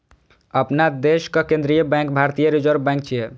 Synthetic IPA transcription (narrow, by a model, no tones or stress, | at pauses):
əpnad̪eskəkẽnd̪ɾijəbɛ̃ŋk̚bʱaɾt̪ijəɾid͡ʒəɾbbɛ̃ŋk̚t͡ʃʰije